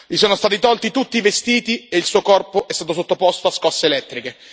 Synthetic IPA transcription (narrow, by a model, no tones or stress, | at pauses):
ʎisoːnost̪aːt̪it̪ɔlt̪it̪ut̪ːiːvest̪iːt̪ieilsuːokɔrpoʔɛst̪aːt̪osot̪ːopɔst̪oaskɔsːeːlɛt̪ːɾike